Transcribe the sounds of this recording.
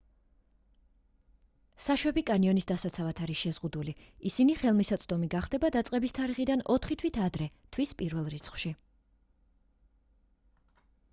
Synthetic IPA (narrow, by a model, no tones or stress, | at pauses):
saʃwɛbikʼaniɔnisd̪asat̪sʰavat̪ʰaɾisʃɛzʁud̪uliisiniχɛlˠmisɔt̪sʼd̪ɔmiɡaχd̪̥ɛbad̪at̪sʼqʼɛbist̪ʰaɾiχid̪anɔt̪ʰχit̪ʰwit̪ʰad̪ɾɛt̪ʰwispʼiɾvɛlˠɾit̪sʰχfʃi